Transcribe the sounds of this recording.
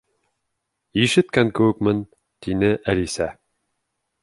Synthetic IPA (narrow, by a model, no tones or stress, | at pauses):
iʃɘ̆t̪̚kæŋkɘ̆wɘ̆kmɘn | t̪inɘʔælisæ